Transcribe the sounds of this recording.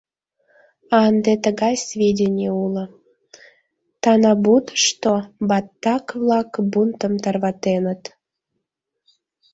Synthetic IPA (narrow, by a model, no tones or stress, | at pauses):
ɑnd̪et̪əɣɑjsvʲedʲenʲeulə̆ | t̪ɑnɑbud̪ʃt̪obɑt̪ːɑkβlɑkbunt̪əmt̪ɑrβɑt̪enət̪